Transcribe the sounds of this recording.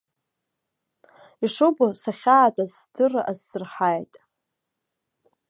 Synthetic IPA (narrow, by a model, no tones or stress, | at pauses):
iʂobosaχʲaːtʼazdɨrazːɨrħajtʼ